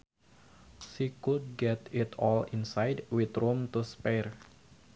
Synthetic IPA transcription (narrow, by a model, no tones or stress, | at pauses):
sikud̚ɡɛt̪ɪt̪ʰɔlinsajdwit̪romt̪uspɛr